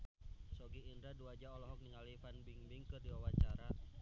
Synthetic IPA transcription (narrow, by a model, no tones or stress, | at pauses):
sɔɡiːndɾaduad͡ʒaɔlɔɦɔk̚niŋalifanbiŋbiŋkɨrdiwawat͡ʃaɾa